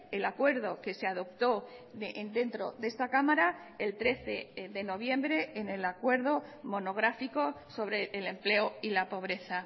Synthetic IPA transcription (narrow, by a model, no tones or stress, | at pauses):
e̞lakwe̞ɾð̞o̞ke̞seaðo̞p̚t̪o̞nd̪e̞nt̪ɾo̞̰ðe̞st̪akamaɾa | e̞lt̪ɾe̞θe̞ðe̞no̞β̞jẽ̞mbɾe̞ːne̞lakwe̞ɾð̞o̞mo̞no̞ɣ̞ɾafiko̞so̞βɾe̞ːle̞mple̞oilapo̞β̞ɾe̞θa